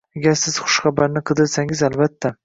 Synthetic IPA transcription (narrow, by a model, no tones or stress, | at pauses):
aɡʲaɾsɪz̥χʊ̥ʃχɑbaɾnɪqʰɨd̪ɪɾsaŋɪzalbat̪ʰːa